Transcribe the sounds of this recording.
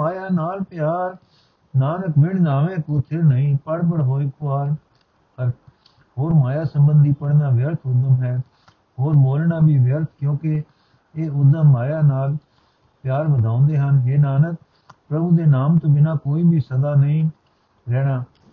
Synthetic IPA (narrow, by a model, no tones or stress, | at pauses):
maːjaːnaːlpɪjaːɾ | naːnəkmɪɳnaːʋẽːkot̪ʰɪɾnəĩːpəɽbəɽɦoːekʊaːɾ | əɾ | hoːɾmaːjaːsəmbənd̪ʱiːpəɽnaːʋjəɾt̪ʰʊd̪əmɦɛː | hoːɾboːlnaːbʱiːʋjəɾt̪ʰkjõːkɪ | eːʊd̪əmːaːjaːnaːl | pɪjaːɾbəd̪ʱãːʊ̃nd̪eːɦənɦeːnaːnək̚ | pɾəbuːd̪eːnaːmt̪õːbɪnãːkoːiːbiːsəd̪aːnəĩː | ɾɛːɽaː